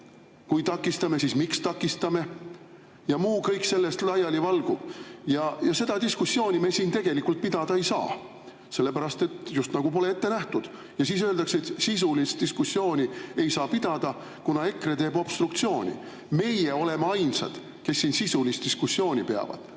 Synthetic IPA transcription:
kujt̪ɑkːˑist̪ɑme̞siːsmikst̪ɑkːˑist̪ɑme̞ | jɑmuːkɤjkse̞lːe̞st̪lɑjɑlivɑlɡ̥ub̥jɑjɑse̞d̪̥ɑd̪iskusːjo̞ːnʲime̞siːnt̪e̞ɡ̥e̞likːult̪̚pid̪̥ɑd̪̥ɑejsɑ̰ː | se̞lːe̞pæɾɑst̪e̞t̪just̪nɑɡ̥upo̞le̞et̪ːenæht̪ud̪̥ | jɑsiːs̬øːld̪ɑkset̪sis̬ulist̪̚iskusːjo̞ːnʲie̞jsɑːpid̪̥ɑd̪̥ɑ | kunɑe̞kret̪e̞ːbob̥st̪ɾukt̪sio̞ːnʲḭ | me̞jeo̞le̞meɑjnsɑ̰d̪̥ | ke̞sːinsisulist̪d̪iskusːjo̞ːnʲipe̞ɑ̰vɑ̰d̪̥

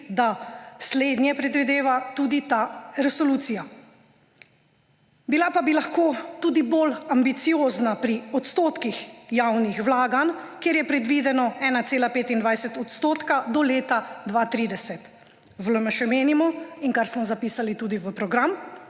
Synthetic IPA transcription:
d̪asleːd̪njɛpɾɛd̪ʋid̪eːʋat̪uːd̪it̪aɾɛsɔluːt̪sija | bilapabilaxkot̪uːd̪ibolambit̪sijoːznapɾiɔt̪st̪oːt̪kixjawnixʋlaːɡankeːɾjɛpɾɛd̪ʋid̪ɛnɔɛːnat̪seːlapeːt̪ind̪ʋajsɛt̪ɔt̪st̪oːt̪kad̪ɔleːt̪ad̪ʋat̪ɾiːd̪ɛsɛt̪ | vləməʃɛmeːnimɔiŋkaɾsmɔzapiːsalit̪uːd̪iʋəpɾɔɡɾam

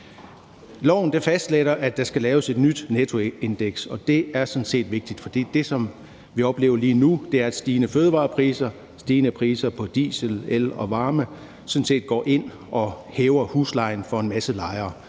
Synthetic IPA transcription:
lɒʊ̰n̩d̥efæsd̥leɾ̥ɐʔæd̥ɑ̈sɡ̥ælɛːʊəse̝d̥nyd̥net͡sʰo̝e̝nd̥eɡ̥sɒ̽d̥e̝æɐsnse̝̰ːd̥ʋe̝ɡ̥̚d̥id̥fɒ̽d̥ḭːd̥e̝sɒ̽m | ʋiɒ̽b̥le̝ːʊɐliːnud̥e̝æɐæd̥sd̥iːnəføːð̞ˠəʋɑ̰̈ːpʰʁiːsɐ | sd̥iːnəpʰʁḭːsɐpʰɒ̽d̥ḭːsəlelɒ̽ʋɑ̈ːmə | sɔ̽n̩se̝̰ːd̥̚ɡ̥ɒ̰ːʔe̝n̰ | ʔɒ̽heːʊɐhuːslɑ̈ɪn̩fɒ̽e̝nmæsəlɑ̈ɪɐː

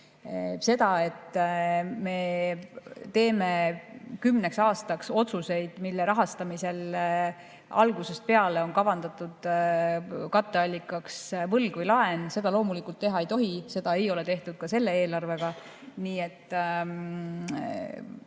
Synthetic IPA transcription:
se̞d̪̥ɑe̞t̪ː | me̞ | t̪e̞ːme̞kymneksɑːst̪ɑkso̞t̪suse̞jd̪̥milːeɾɑɦɑst̪ɑmise̞l | ɑ̰lɡuse̞st̪̚pe̞ɑle̞o̞nkɑvɑnd̪ɑt̪ˑud̪̥ | kɑt̪ˑːe̞ɑlʲːikːˑɑksvɤlɡ̥vəjlɑe̞nse̞d̪ɑlo̞ːmulikult̪ːe̞ɦɑe̞jt̪o̞ɦise̞d̪̥ɑe̞jo̞le̞t̪e̞ht̪ud̪̥̚kɑse̞lːe̞e̞ːlɑrve̞ɡ̥ɑ | niːe̞t̪ː

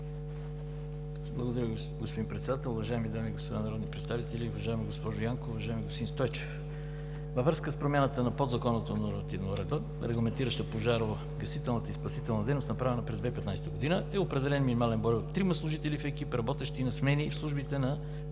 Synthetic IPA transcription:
blˠəɡod̪ɐɾʲjə | ɡospod̪inpɾɛt̪sɛd̪at̪ɛlˠʊvɐʒaɛmid̪amiɡospod̪anɐɾɔd̪nipɾɛt̪st̪avit̪ɛlʲiʊvɐʒaɛmiɡospɔʒʊjaŋkoːvɐʒaɛmiɡosp̪d̪inst̪ɔjt͡ʃɛ̥f | vəvɾəskəspɾomʲanət̪ənɐpod̪zɐkɔnət̪onoɾmɐt̪ivnoɾɛd̪ə | ɾɛɡlˠɐmɛnt̪iɾəʃt̪əpoʒaɾ | ɡɐsit̪ɛlˠnət̪əispɐsit̪ɛlˠnɐd̪ɛjnost̪nɐpɾavɛnəpɾɛzd̪vɛipɛt̪najst̪əɡod̪inəɛopɾɛd̪ɛlɛnminʲimalɛnbɔjbt̪ɾimɐslˠʊʒit̪ɛlʲifɛk̟ipɛɾɐbɔt̪ɛʃt̪iːnɐsmnɛnʲifslˠuʒbit̪ɛnɐ

